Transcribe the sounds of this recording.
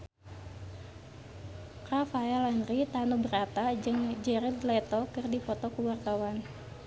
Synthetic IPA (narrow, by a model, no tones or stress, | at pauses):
kafajalanrit̪anubəɾat̪ad͡ʒɨŋd͡ʒɛɾid̪lɛt̪ɔkɨrdifɔt̪ɔkuwart̪awan